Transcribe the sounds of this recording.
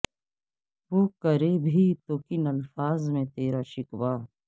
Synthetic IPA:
ʋoːkəɾeːbʱiːt̪oːkɪnɐlfaːzmẽt̪eːɾaːʃɪkʋaː

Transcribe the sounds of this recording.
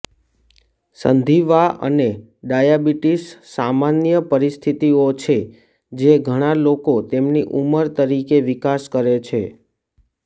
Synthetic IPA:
sə̰nd̪ʱiʋaə̰ne | ɖajabiʈisːamanjəpəɾist̪ʰit̪iot͡ʃʰe | d͡ʒeɡʱəɽ̃alokot̪emniʔuməɾt̪əɾikeʋikaskəɾet͡ʃʰḛ

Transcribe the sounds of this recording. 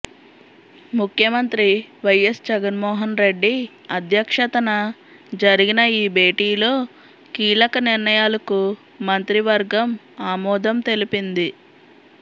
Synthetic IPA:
mukʰjɐmɐnt̪ɾiʋɐjesd͡ʒɛɡɐnmɔːɦɐnɾe̞ɖːi | ɐd̪jɐkʂɐt̪ɐnɐ | d͡ʒɐɾiɡinɐiːbʱe̞ːʈiːlo̞ː | kiːlɐkɐniɾnɐjaːlɐku | mɐnt̪ɾiʋɐɾɡɐm | aːmɔːd̪ɐmt̪e̞lipind̪i

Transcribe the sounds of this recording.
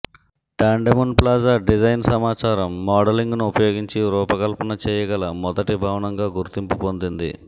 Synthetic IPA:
ʈaːɳɖemunplaːd͡ʒɐɖid͡ʒɐjnsɐmaːt͡ʃaːɾɐmːaːɖɐliŋɡnuupɐjoːɡiɲt͡ʃiɾuːpɐkɐlpɐnɐt͡ʃɛːjɐɡɐlɐmɔd̪ɐʈibʱaːʋɐnɐŋɡaːɡuɾt̪impupo̞nd̪ind̪ḭ

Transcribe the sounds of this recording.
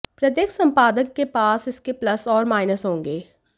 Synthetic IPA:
pɾəd̪eːksə̃mpaːd̪əkːepaːsɪskeplɐsɔːɾmaːɪnəsɦõːŋɡeː

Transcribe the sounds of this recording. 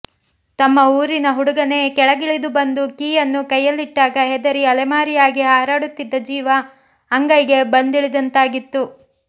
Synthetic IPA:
t̪ɐmːɐuːɾinɐɦuɽuɡɐne̞kɛɭɐɡiɭid̪ubɐnd̪ukiːjɐnːukɐjːɐlːiʈːaːɡɐɦɛd̪ɐɾiɐlɐmaːɾijaːɡiɦaːɾaːɽut̪ːid̪ːɐd͡ʒiːʋɐː | ŋɡɐjɡe̞bɐnd̪iɭid̪ɐnt̪aːɡit̪ːu

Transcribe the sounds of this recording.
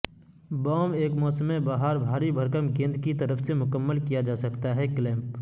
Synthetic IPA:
bɔːmeːkmɔːsəmẽbaːɦaɾbʱaːɾibʱəɾkəmɡẽːnd̪kit̪ɐɾəfʰsemʊkəmːəlkijad͡ʒaːsɐkt̪aɦɛklẽːmp

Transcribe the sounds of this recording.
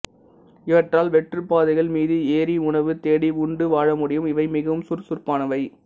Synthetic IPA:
ɪʋɐʈraːlʋɛʈrɯpːaːðɐɪɣɐɭmiːðɯeːɾiʊɳɐʋɯt̪eːɽiʊɳɖɯʋaːɻɐmʊɽɪjɯmɪʋɐɪmɪɣɐʋɯmsʊrsʊrpaːnɐʋɐɪ

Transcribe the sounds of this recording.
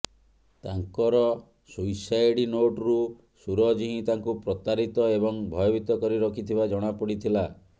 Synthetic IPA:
t̪aŋkɔɾɔ | sujsajɽinoʈɾu | suɾɔd͡ʒiɦĩt̪aŋkupɾɔt̪aɾit̪ɔebɔŋbʱɔjɔbit̪ɔkɔɾiɾɔkʰit̪ʰibad͡ʒɔɽ̃apɔɽit̪ʰila

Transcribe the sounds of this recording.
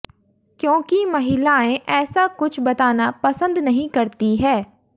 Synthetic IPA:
kjõːkimɐɦɪlaːẽʔɛːsakʊt͡ʃʰbɐt̪aːnapɐsə̃nd̪nɐɦĩkɐɾt̪iɦɛː

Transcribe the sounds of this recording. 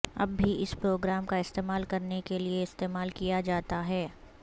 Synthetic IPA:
ɐ̰bːʱiʔɪspɾoːɡɾaːmkaɪst̪eːmaːlkɐɾnekelieɪst̪eːmaːlkijad͡ʒaːt̪aɦɛː

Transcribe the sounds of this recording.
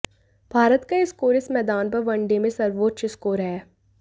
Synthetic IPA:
bʱaːɾət̪kaɪskoːɾɪsmɛːd̪aːnpɐɾʋɐ̃ɳɖemẽsɐɾʋoːt̪ʃɪskoːɾɦɛː

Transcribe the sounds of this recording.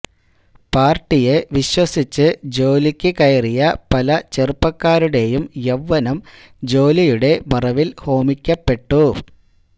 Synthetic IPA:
paːrʈːije̞ʋiɕwɐsit͡ɕːɨd͡ʑo̞ːlikʲːɨkɐjɐrijɐpɐlɐt͡ɕerupːɐkːaːɾuɽe̞jumjeʋːɐnɐm | d͡ʑo̞ːlijuɽe̞mɐrɐʋilho̞ːmikʲːɐpːe̞ʈːu

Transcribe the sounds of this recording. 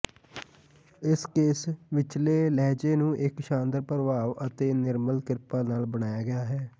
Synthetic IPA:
ɪskeːsʋɪt͡ʃleːlɛːd͡ʒeːnũːʔɪkʃãːnd̪əɾpəɾʋaːʋət̪eːnɪɾməlkɪɾpaːnaːlbəɽaːjaːɡɪjaːɦɛː

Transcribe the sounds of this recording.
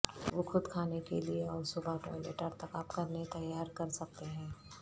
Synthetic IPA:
ʋokʰʊd̪kʰaːnekḛlieɔːɾsʊbʱaʈɔ̰ːjlḛːʈəɾt̪ɐkaːpkɐɾnet̪ɐjaːɾkɐɾsɐk̚t̪eɦɛ̃ː

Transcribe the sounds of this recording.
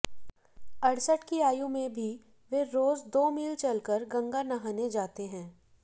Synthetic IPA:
ɐɽsəʈkiaːjõmẽbʱi | ʋeɾoːzd̪oːmiːlt͡ʃɐlkəɾɡɐ̃ŋɡanɐɦaːned͡ʒaːt̪eɦɛ̃ː

